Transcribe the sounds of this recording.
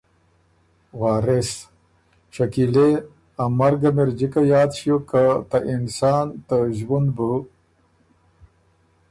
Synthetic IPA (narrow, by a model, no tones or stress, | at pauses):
wɑːɾes | ʃakile | amaɾɡameɾd͡ʑikajɑːd̪ʃukat̪aʔɪnsɑːnt̪aʒwund̪bu